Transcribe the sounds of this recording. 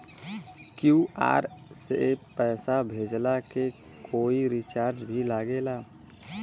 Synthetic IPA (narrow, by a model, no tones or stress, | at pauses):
kjuːa̰ːɾsepːɛːsabʱeːd͡ʒlake | koːiɾit͡ʃaːɾd͡ʒbʱilaːɡelaː